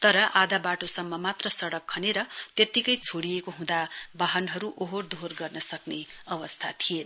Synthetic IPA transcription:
t̪ʌɾʌʔad̪abaʈosʌmːʌmat̪rʌsʌɽʌkʰːʌneɾʌt̪jet̪ikʌjt͡sʰoɽijekoɦũd̪abaɦʌnɦʌɾuʔoɦord̪ʱorɡʌrnʌsʌkneʌbʌst̪ʰat̪ʰijen

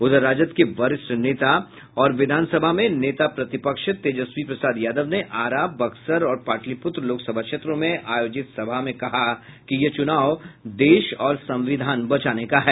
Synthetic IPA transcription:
ʊd̪əɾaːd͡ʒət̪keʋɐɾɪsʈneːt̪a | ɔːɾʋɪd̪ʱaːnsəbʱamẽneːt̪apɾɐt̪ɪpəkʃt̪eːd͡ʒəswipɾɐsaːd̪jaːd̪əʋneʔaːɾaːbɐksəɾɔːɾpaːʈlipʊt̪ɾəloːksɐbʱakʃʰeːt̪ɾõmẽʔaːjoːd͡ʒɪt̪sɐbʱamẽkɐɦa | kijɐt͡ʃʊnaːʋd̪eːʃɔːɾsɐ̃mʋɪd̪ʱaːnbɐt͡ʃaːnekaɦɛː

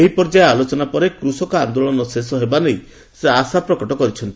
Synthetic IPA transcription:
eɦipɔɾd͡ʒaealot͡ʃɔnapɔɾekɾusɔkɔand̪oɭɔnɔsesɔɦebanej | seasapɾɔkɔʈɔkɔɾit͡ʃʰɔnt̪i

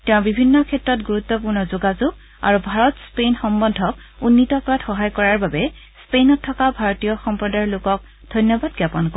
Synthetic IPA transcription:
tɛ̃ʊ̃bibʱinːɔkʰɛtɹɔtɡuɹut̪ːɔp̬uɹnɔzuɡazuɡ̚ | a̰ɹubʱaɹɔtspejnxɔmbɔndʱɔkunːitɔkɹatxɔɦajkɔɹaɹbabɛ | spejnɔtʰːɔkabʱaɹɔtijɔxɔmpɹɔdajlʊkɔk̚ | d̥ʱɔjnjɔbadɡjapɔnkɔ

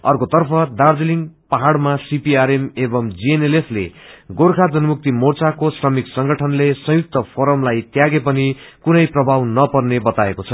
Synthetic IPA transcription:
ʌ̰rkot̪ʌrpʰʌd̪ard͡z̪iliŋɡpaɦaɽmasipiaɾemebʌmd͡zienelepʰlḛɡoɾkʰad͡zʌnumuk̚t̪imort͡sakosrʌmiksʌŋɡʌʈʰʌnlesʌ̃juk̚t̪ʌpʰoɾʌmlajt̪jaɡep̬ʌnikunʌjprʌbʱawnʌpʌrnebʌt̪aekot͡sʰʌ

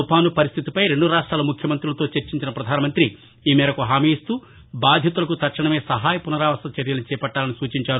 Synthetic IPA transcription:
upaːnupɐɾist̪ʰit̪ipɐjɾe̞ɳɖuɾaːʂʈɾaːlɐmukʰjɐmɐnt̪ɾulɐt̪o̞ːt͡ʃeɾt͡ʃiɲt͡ʃinɐpɾɐd̪ʱaːnɐmɐnt̪ɾi | iːmɛːɾɐkuɦaːmiːst̪uː | baːd̪ʱjɐt̪ulɐkut̪ɐɾʂɐɳɐme̞ːsɐɦaːjɐpunɐɾaːʋɐsɐt͡ʃɐɾjɐlɐnit͡ʃɛːpɐʈːaːlɐnisuːt͡ʃiɲt͡ʃaːɾu

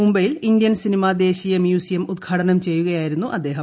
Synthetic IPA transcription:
umbɐjilind̪jɐnsinimaːd̪e̞ːɕijɐmjuːsijɐmud̪̚ɡʰʱaːʈʰɐnɐmt͡ɕe̞jːuɣɐjaːjiɾunːuʔɐd̪ːe̞ːɦɐ

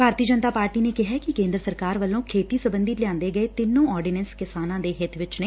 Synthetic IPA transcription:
bʱaːɾt̪iːəd͡ʒənt̪aːpaːɾʈiːneːkɪɦɛːkɪkẽːnd̪ɾəsəɾkaːɾʋəlːõːkʰeːt̪iːsəbənd̪ɪt̪lɪjãːnd̪eːɡəeːt̪ɪnːõːɔːɾɖɪnɛnskɪsaːnãːd̪eːɦɪt̪ʰʋɪt͡ʃneː

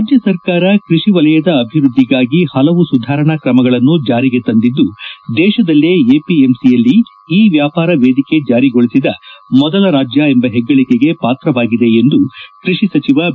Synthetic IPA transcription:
ɾaːd͡ʒjɐsɐɾkaːɾɐkɾiʂiʋɐlɐjɐd̪ɐːbʱiɾud̪ʱːiɡaːɡihɐlɐʋusud̪ʱaːɾɐɳɐkɾɐmɐɡɐɭɐnːud͡ʒaːɾiɡe̞t̪ɐnd̪id̪ːud̪ɛːʃɐd̪ɐlːeeːpiemsijɐlːi | iːʋjaːpaːɾɐʋeːd̪ike̞d͡ʒaːɾiɡoɭisid̪ɐmɔd̪ɐlɐɾaːd͡ʒjɐembɐɦɛɡːɐɭikeɡe̞paːt̪ɾɐʋaːɡid̪e̞end̪ukɾiʂisɐt͡ʃiʋɐ

